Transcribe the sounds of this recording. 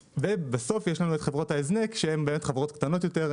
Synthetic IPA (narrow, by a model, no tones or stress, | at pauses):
vebeso̞fjeʃlanuetχevʁo̞thaeznekʃehembe̞ːmetχavʁo̞tkt̪ano̞tjo̞te̞ʁ